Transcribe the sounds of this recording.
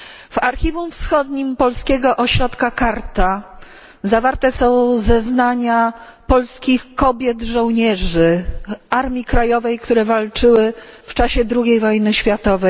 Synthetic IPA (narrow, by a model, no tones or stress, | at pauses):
v̥aɾxʲivufsxɔd̪ɲimpɔlskʲɛɡɔʔɔɕɾɔt̪kakaɾt̪a | zavaɾt̪ɛsɔ̃w̃zɛznaɲa | pɔlskʲixkɔbʲjɛd̪ʐɔ̃w̃ɲɛʐɘaɾmʲjikɾajɔvɛjkt̪uɾɛvalt͡ʂɘwɘft͡ʂaɕɛd̪ɾuɡʲejvɔjnɘɕfʲjat̪ɔvɛj